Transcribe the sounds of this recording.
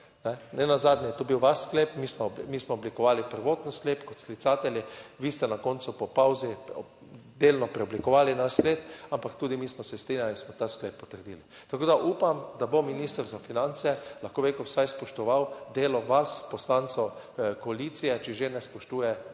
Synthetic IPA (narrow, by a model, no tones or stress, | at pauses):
nɛnɛnazaːd̪nʲjɛjt̪obiwʋaʃsklepmismɔmismɔːblikɔʋaːlipəɾʋoːt̪n̩skleːpkɔt̪sklit̪saːt̪ɛljiʋiːst̪ɛnakont̪supɔpawzi | d̪eːlnɔpɾɛɔblikɔʋaːlinaʃskleːt̪ampakt̪uːd̪imiːsmɔsɛst̪ɾinʲjalinsmɔt̪asklepːɔt̪əɾd̪iːli | t̪akoːd̪aʔuːpamd̪abominiːst̪əɾzafinant̪sɛlaxkoːbekowsajspɔʃt̪ɔʋawd̪eːlɔʋaspɔslant̪sɔ | kɔalit̪sijɛt͡ʃɛʒenɛspɔʃt̪uːjɛ